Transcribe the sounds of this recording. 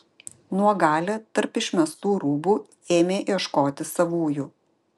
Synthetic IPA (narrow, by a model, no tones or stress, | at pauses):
nuɔɡɑːlʲɛːt̪ɐɾpɪʃʲmʲɛst̪uːɾuːbuː | eːmʲeːʔiɛʃkoːt̪ʲɪsɐʋuːjuː